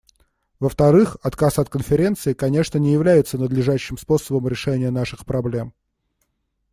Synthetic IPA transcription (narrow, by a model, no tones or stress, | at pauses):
vəft̪ɐɾɨxɐt̪kasɐt̪̚kənfʲɪɾʲe̞nt̪sɨɪkɐnʲe̞ʂnənʲɪjɪvlʲæjɪt̪sənəd̪lʲɪʐaɕːɪmspo̞səbəmɾʲɪʂɛnʲɪjən̪aʂɨxpɾɐblʲe̞m